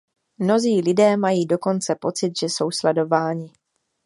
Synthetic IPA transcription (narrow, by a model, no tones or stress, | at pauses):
mno̞ziːlɪdɛːmajiːdo̞ko̞nt͡sɛpo̞t͡sɪt̪ʒ̥ɛso̞wslɛdo̞vaːɲɪ